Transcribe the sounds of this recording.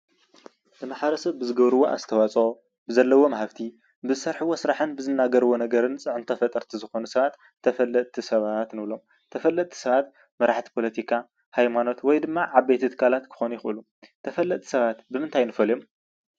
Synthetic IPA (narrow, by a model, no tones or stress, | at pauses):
dɨmaħɐɾɐsɐβbɨzɨɡɐβɾɨwo̞ʔa̰zɨt̪ʰɐwat͡sʼo | bɨzɐlːɐwo̞mɐɦaβt̪ʰi | bɨzɨsɐɾħɨwosɨɾaħɨnbɨzɨnːaɡɐɾɨwo̞nɐɡɐɾɨnt͡sʼɨʕɨnt̪ʰɐfɐt̪ʼɐɾt̪ʰizɨxo̞nusɐβat̪ʰːɐfɐlːɐtt̪ʰisɐβat̪nɨβlo̞m | t̪ʰɐfɐlːɐt̪ʰi̥sɐβat̪ | mɐɾaħt̪ʰi̥pʰo̞lɐt̪ʰikʰa | hajmano̞t̪wɔjd̪ɨmːaʕaβːejt̪ʰɨt̪ʰɨ̥kʰalat̪kʰɨ̥xo̞nujɪxʔɨlu | t̪ʰɐfɐlːɐt̪t̪ʰi̥sɐβat̪bɨmɨnt̪ʰajnɨfɐljom